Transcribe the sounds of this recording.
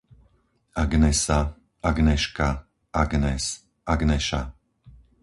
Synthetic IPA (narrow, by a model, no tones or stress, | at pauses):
aɡnɛsa | aɡnɛʃka | ʔaɡnɛs | ʔaɡnɛʃa̰